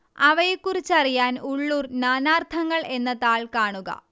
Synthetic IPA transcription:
ɐʋɐjekːurit͡ɕːɐrijaːnuɭːurnaːnaːrt̪ʰɐŋːɐɭe̞nːɐðaːɭkaːɳuɣɐ̰

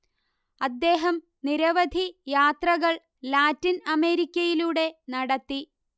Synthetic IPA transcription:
ɐd̪ːe̞ːɦɐm | niɾɐʋɐd̪ʱijaːt̪rɐɣɐɭ | laːtːinɐme̞ːɾikʲːɐjiluːɽe̞nɐɽɐt̪ːi

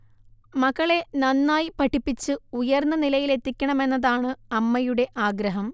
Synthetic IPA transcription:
mɐɣɐɭe̞nɐnːaːjipɐʈʰːipːit͡ɕːɨujɐrnːɐnilɐjile̞t̪ːikʲːɐɳɐme̞nːɐðaːɳɨɐmːɐjuɽe̞ʔaːɡɾɐɦɐm

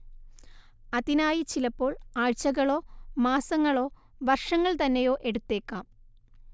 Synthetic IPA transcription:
ɐðinaːjit͡ɕilɐpːo̞ːɭaːɻt͡ɕːɐɣɐɭo̞ːmaːsɐŋːɐɭo̞ː | ʋɐrʂɐŋːɐɭt̪ɐnːejo̞ːʔe̞ɽut̪ːe̞ːkːaːm

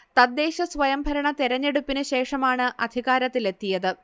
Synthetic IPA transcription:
t̪ɐd̪ːe̞ːɕɐsʋɐjɐmbʱɐɾɐɳɐt̪iɾɐɲːe̞ɽupːinɨɕe̞ːʂɐmaːɳɨʔɐd̪ʱiɣaːɾɐt̪ːile̞t̪ːijɐðɨ

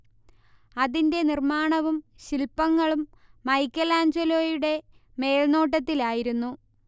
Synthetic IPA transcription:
ɐðinde̞nirmaːɳɐʋumɕilpːɐŋːɐɭumː | ɐjkːɐlaːɲd͡ʑɐloːjuɽe̞me̞ːɭno̞ːʈ̬ːɐt̪ːilaːjiɾunːu

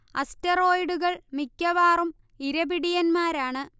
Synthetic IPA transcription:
ɐstɐro̞ːjɖuɣɐɭmikʲːɐʋaːrum | iɾɐbiɽijɐnmaːɾaːɳɨ

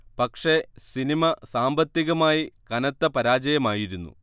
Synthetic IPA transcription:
pɐkʂe̞sinimɐsaːmbɐt̪ːiɣɐmaːjikɐnɐt̪ːɐpɐɾaːd͡ʑɐjɐmaːjiɾunːṵ

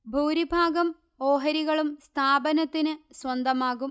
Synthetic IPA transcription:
bʱuːɾibʱaːɡɐm | oːɦɐɾiɣɐɭumst̪ʰaːbɐnɐt̪ːinɨswɐnd̪ɐmaːɣum

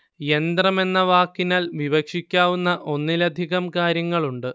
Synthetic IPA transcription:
e̞nd̪rɐme̞nːɐʋaːkːinaːlʋiʋɐkʂikʲːaːʋunːɐʔo̞nːilɐd̪ʱiɣɐmkaːɾjɐŋːɐɭuɳɖɨ

